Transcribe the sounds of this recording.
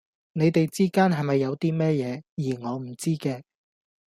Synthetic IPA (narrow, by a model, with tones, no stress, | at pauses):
ne˨˧jt̪e˨jt͡siː˥kaː˥nɦɐ˨jmɐ˨jːɐ˨˧wt̪iː˥mɛː˥jɛː˨˧jiː˨˩ŋɔː˨˧m̩˨˩t͡siː˥kɛː˧